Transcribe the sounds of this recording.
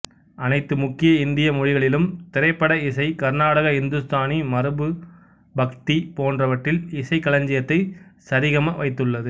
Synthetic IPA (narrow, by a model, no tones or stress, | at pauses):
ʔɐnɐɪt̪ːɯmʊkːɪjɐɪnd̪ɪjɐmʊɻɪɣɐɭɪlɯmt̪ɪɾɐɪpːɐɽɐɪsɐɪkɐɾnaːɽɐɣɐɪnd̪ɯst̪aːnimɐɾɯbɯ | bɐkt̪ipoːndrɐʋɐʈrɪlɪsɐɪkːɐɭɐɲd͡ʒɪjɐt̪ːɐɪsɐɾiɣɐmɐʋɐɪt̪ːɯɭːɐðɯ